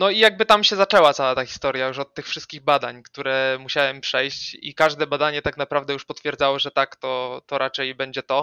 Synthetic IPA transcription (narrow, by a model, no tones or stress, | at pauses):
nɔijaɡ̚bɘt̪amɕɛzat͡ʂɛwat̪sawat̪axʲi̥st̪ɔɾjajuʂɔt̪ːɘxfʂɘst̪̚kʲiɣbad̪aɲkt̪uɾɛmuɕawɛmpʂɛjɕt͡ɕḭkaʐd̪ɛbad̪aɲɛt̪aknapɾavd̪ɛjuʂpɔt̪fʲjɛɾd̪zawɔʐɛt̪akt̪ɔt̪ɔɾat͡ʂɛjbɛɲd͡ʑɛt̪ɔ